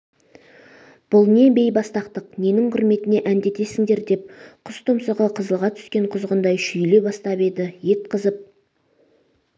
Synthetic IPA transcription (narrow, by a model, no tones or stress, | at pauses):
b̥ʊlˠne̞be̞jbɑst̪ɑqt̪əqne̞nɪŋqʰʊɾme̞t̪ɪne̞ʔænd̪e̞t̪e̞sɪŋd̪e̞ɾd̪e̞p̚qʰʊst̪ʰʊmsəʁəqʰəzəlˠʁɑt̪ʰʏ̥skʲe̞ɴqʰʊzʁənd̪ɑjʃʏjle̞bɑst̪ɑpe̞d̪ɪje̞t̪̚qəzəp̚